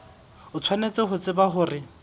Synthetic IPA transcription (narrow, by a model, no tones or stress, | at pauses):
ʊt͡sʰwanet͡sɪɦʊt͡sʼɪbaɦʊːrɪ